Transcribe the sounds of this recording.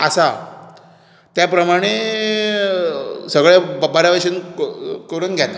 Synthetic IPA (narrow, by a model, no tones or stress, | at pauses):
əsa | t̪japɾəmaɽ̃e | səɡɭebaɾjaʋəɕiunkəɾuːnɡʱjat̪ḁ